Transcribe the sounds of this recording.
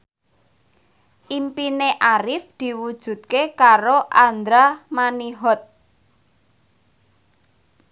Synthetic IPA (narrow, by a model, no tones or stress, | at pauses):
ʔimpineʔaɾɪfd̪̥i̤wud̥ʒ̥ṳt̪̚kekaɾoʔand̪ɾamaniɦɔt̪̚